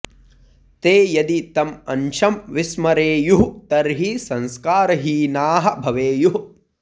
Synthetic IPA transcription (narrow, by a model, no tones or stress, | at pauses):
t̪eːjɐd̪it̪ɐmɐ̰nʃɐmʋismɐɾeːjuɦt̪ɐɾɦisɐ̃nskaːɾɐɦiːnaːɦɐ̆bʱɐʋeːjuɦ